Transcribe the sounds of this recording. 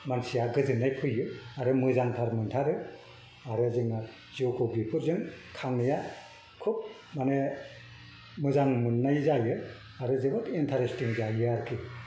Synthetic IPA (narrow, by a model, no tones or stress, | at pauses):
mansijaɡɯzɯnːajpʰɯjɯaɾɯmɯzaŋtʰaɾmɯntʰaɾɯ | aɾɯzɯŋa | zokʰɯwɡipʰuɾzɯŋkʰaŋɯja | kʰup̚ | mane | mɯzaŋmɯnːajzajɯ | aɾɯzɯbɔtintʰaɾestiŋzajɯaɾkʰi